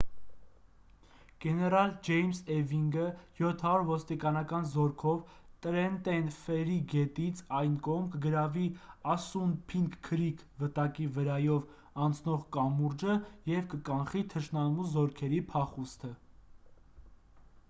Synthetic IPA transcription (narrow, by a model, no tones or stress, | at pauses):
ɡ̥ɛnɛɾɑld͡ʒɛjmsɛviŋɡəjɔt̪ʰɑɾuɾvɔst̪ikɑnɑkɑnzɔɾkʰɔv | t̪əɾɛnt̪ɛnfɛɾiɡɛt̪it͡sʰɑjnkɔʁmkəɡəɾɑviɑsunpʰiŋkkʰːəɾikʰvət̪ɑkivəɾɑjɔv | ɑnt͡sʰnɔʁkɑmuɾd͡ʒəjɛvkəkɑnχit̪ʰəʃnɑmuzɔɾkʰɛɾipʰɑχust̪ʰə